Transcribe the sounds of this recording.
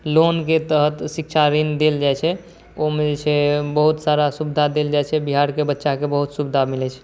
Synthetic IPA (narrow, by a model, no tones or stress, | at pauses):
lonket̪əɦət̪sikt͡ʃʰaɾind̪eld͡ʒajt͡ʃʰɛ | oɦmed͡ʒet͡ʃʰɛbəɦut̪saɾasubd̪ʱad̪eld͡ʒajt͡ʃʰɛbiɦaɾkebətːʃakebəɦut̪subd̪ʱamilɛt͡ʃʰɛ̥